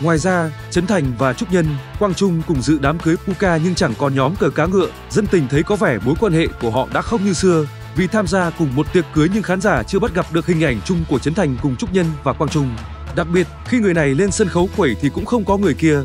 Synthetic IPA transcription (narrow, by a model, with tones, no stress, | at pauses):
ŋwaː˨˩jzaː˧t͡ɕə˨˦nt̪ʰa˨˩jŋ̟vaː˨˩t͡ɕʊ˦˥k͡p̚ɲə˧nkwaː˧ŋt͡ɕʊ˧ŋ͡mkʊ˨˩ŋ͡mzɨ̰˧˨ɗaː˨˦mkɨ˨˦jpu˧kaː˧ɲɨ˧ŋt͡ɕa˧˩ŋkɔ˨˩nɲɔ˨˦mkəː˧˩kaː˨˦ŋɨ̰˧˨ə | zə˧nt̪ï˨˩ŋ̟t̪ʰə˨˦jkɔ˨˦vɛ˧˩mo˨˦jkwaː˧nhḛ˧˨ku˧˩əɦɔ̰˧˨ɗa̰ː˧˥xə˧wŋ͡mɲɨ˧sɨ˧ə | vi˨˩t̪ʰaː˧mzaː˧kʊ˨˩ŋ͡mmo˨˩t̚t̪wi˨˩ət̚kɨ˨˦əjɲɨ˧ŋxaː˨˦nzaː˧˩t͡ɕɨ˧əɓa˦˥t̚ɣa˨˩p̚ɗɨ˨˩ək̚hï˨˩ŋ̟ʔa˧˩jŋ̟t͡ɕʊ˧ŋ͡mkət͡ɕə˨˦nt̪ʰa˨˩jŋ̟kʊ˨˩ŋ͡mt͡ɕʊ˦˥k͡p̚ɲə˧nvaː˨˩kwaː˧ŋt͡ɕʊ˧ŋ͡m | ɗa˨˩k̚ɓi˨˩ət̚xi˧ŋɨ˨˩əjna˨˩jle˧nsə˧nxə˨˦wkwe˧˩jt̪ʰi˨˩kʊ̰˧˥ŋ͡mxə˧wŋ͡mkɔ˨˦ŋɨ˨˩əjki˧ə